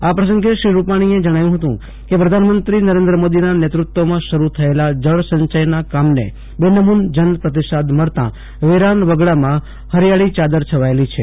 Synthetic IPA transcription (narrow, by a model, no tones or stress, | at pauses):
apɾəs̬ə̃ŋɡeʃɾiɾupaɽ̃ied͡ʒəɽ̃ajũɦət̪ṵ̃ | kepɾəd̪ʱanmənt̪ɾinəɾẽnd̪ɾəmod̪inanet̪ɾʊt̪ːʋomãʃəɾut̪ʰəelad͡ʒəɭsə̃ɲt͡ʃəjnakamnḛ | benəmund͡ʒənpɾət̪iʃad̪məɭt̪ã̰ | ʋeɾanʋəɡɭamã | həɾijaɭit͡ʃad̪əɾt͡ʃʰəʋaelit͡ʃʰe